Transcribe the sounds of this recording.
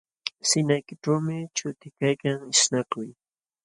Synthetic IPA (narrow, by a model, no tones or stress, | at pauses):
sɪnajkɪʈ͡ʂawmɪt͡ʃʊt̪ɪkajkaŋɪʃnakʊj